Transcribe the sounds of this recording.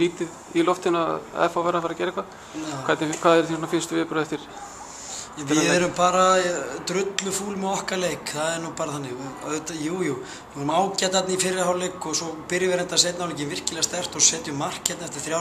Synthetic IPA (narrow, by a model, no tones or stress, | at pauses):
liːt̪ɪð | ilɔft̪ɪnaɛ̰fawvɛɾafaɾacɛːɾɛhkva | vajt̪nɪkʰvaːðɛɾ̥θisɔnafɪnst̪vɪpɾœɛft̪ɪɾ̥ | ɛvɪɛɾʏmpaːɾat̪ɾʏt̪lʏfuːlmɛðɔhkalejkθaðɛɾnupaːɾaθanːɪɣœt̪ajuːju | numaːwcat̪at̪nifɪɾɪɾhawlejkːɔsɔpɪɾjʏvɛɾɛnt̪asejt̪nahawleːcɪnvɪr̥cɪlɛːɣast̪ɛr̥t̪ɔɣsɛːt̪ʏʏmːar̥kːɛt̪naɛft̪ɪ̥ɾ̥θɾja